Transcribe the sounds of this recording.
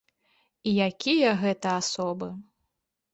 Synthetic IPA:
ijakʲijɐɣɛt̪ɐasɔbɨ

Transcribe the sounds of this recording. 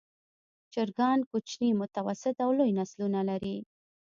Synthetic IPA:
t͡ʃɪɾɡɑnkut͡ʃnimʊt̪awasɪt̪awlojnaslunalaɾi

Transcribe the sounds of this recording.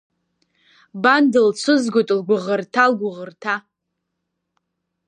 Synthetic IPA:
bandɨlt͡ʃʷʰʊzɡʷotʼlɡʷʊʁərtʰalɡʷʊʁərtʰa

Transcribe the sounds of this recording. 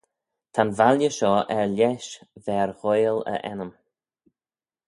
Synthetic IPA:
t̪ʰanvaljəʃɔːʔɛɹlɛʃvɛːɹɣojlə̰ʔɛ̰nəm

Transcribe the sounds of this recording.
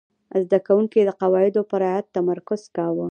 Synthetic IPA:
zd̪akawuŋkid̪əqawɑɪd̪opəɾɑat̪ːamaɾkʊz̥kɑwə

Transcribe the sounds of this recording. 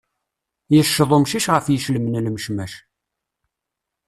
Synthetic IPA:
jəʃːəðˤʊmʃiʃʁəfjəʃləmənlməʃmæʃ

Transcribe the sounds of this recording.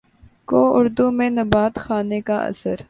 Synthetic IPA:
koːʊɾd̪umẽnɐbaːt̪xaːnekaʔɐ̰səɾ

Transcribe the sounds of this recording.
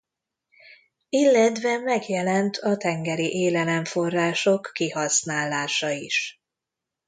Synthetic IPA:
ilːɛt̪ʋɛmɛɡjɛlɛnt̪ʰɒt̪ɛŋɡɛɾiʔeːlɛlɛɱfo̞rːaːʃo̞kːihɒsnaːlːaːʃɒiʃ

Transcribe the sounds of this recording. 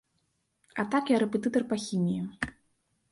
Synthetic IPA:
at̪akjaɾɛpʲɛt̪ɨt̪ɐrpaxʲinʲiju

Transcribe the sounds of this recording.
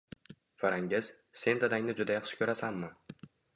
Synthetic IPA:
faɾaŋɡʲɪz̥ | se̞nd̪ad̪aŋnɪd͡ʒʊd̪ajɑqʃɪ̥kʰʲɵɾasanmɪ

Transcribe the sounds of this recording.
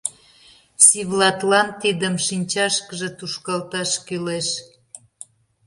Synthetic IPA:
siβlɑt̪lɑnt̪id̪əmʃinʲt͡ɕɑʃkəʒĕt̪uʃkɑlt̪ɑʃkyleʃ

